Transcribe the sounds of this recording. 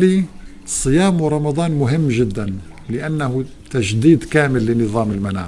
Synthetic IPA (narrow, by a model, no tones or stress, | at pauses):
li | sˤːɨjaːmwɾˤɑmɑd̪ˤɑːnmʊɦɪmːʒɪd̪ːan | lɪʔanːahʊ | t̪aʒd̪iːd̪kaːmɪlːɪnɨðˤɑːmɪlmana̰ː